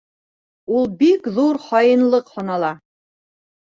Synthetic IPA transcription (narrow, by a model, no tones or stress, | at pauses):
ulˠbikðuɾχɑjɤ̆nlˠɤqhŏnɑlˠɑ